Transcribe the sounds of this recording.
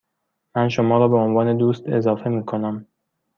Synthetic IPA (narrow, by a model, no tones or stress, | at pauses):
mænʃomɒːɾɒːbe̞onvɒːne̞d̪uːst̪e̞̰zɒːfe̞miːkʰo̞næm